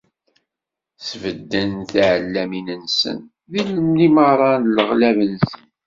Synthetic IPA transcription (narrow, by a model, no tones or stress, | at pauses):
svəd̪ːənθʕəlːæminənsə̰n | ðiləmniməɾˤɑnləʁlævənsən